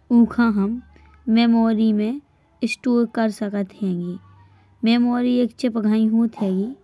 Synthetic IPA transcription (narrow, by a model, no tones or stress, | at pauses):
ũːkʰãɦəmː | eːmɔːɾimẽ | ɪsʈoːɾkəɾsəkət̪ɦɛ̃ːŋɡeː | meːmɔːɾieːkt͡ʃʰepəɡʱaːĩɦuːt̪ɦɛːɡiː